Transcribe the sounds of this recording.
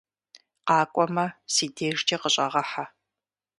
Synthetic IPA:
qɑːkʷʼɔmɐsiːdeːʐd͡ʒɐqəɕʼɐʁɐħa

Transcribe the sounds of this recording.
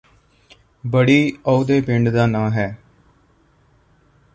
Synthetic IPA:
bəɽiːəʊd̪eːpɪɳɖd̪aːnãːɦɛː

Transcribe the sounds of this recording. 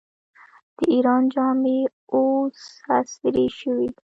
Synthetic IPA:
d̪̥əiɾɑnd͡ʒɑme | oshast̪ɾeʃəwi

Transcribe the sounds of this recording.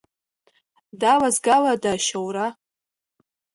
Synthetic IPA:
dawazɡaladaʃawra

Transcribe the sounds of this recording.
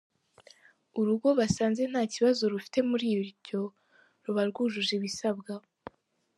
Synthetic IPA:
uɾuɡo̞βasaːnze̞n̥haːciβazo̞ɾufi̥te̞muɾiːjoɾɟo̞ | ɾuβaɾɡuːʒuʒeβisab̚ɡa

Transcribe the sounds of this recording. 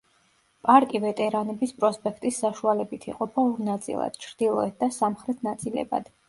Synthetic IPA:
pʼaɾkʼivɛt̪ʼɛɾanɛbispʼɾɔspʼɛkʰt̪ʼisːaʃualɛbit̪ʰḭqʼɔpʰauɾnat̪sʼḭlˠa̰d̪̥t͡ʃʰɾd̪ilˠɔɛt̪̚d̪asamχɾɛt̪ʰnat̪sʼilɛ̰ba̰d̪̥

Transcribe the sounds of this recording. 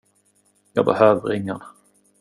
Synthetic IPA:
jɑ̰ːbəhøːvəɾɪŋːan

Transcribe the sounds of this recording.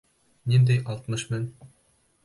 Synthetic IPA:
nind̪æjʔɑlˠt̪mɤʃmɘn

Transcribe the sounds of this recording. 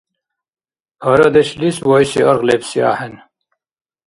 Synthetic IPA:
ɐɾɐd̪eɕliswojsiɐɾʁlepsia̰ːhen

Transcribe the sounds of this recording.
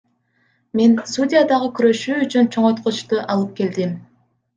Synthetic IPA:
me̞nsudʲɪjad̪ɑʁəkyɾø̞ʃyːyt͡ʃynt͡ʃʰo̞ɴot̪qot͡ʃt̪uʔɑlˠɯp̚ke̞ld̪im

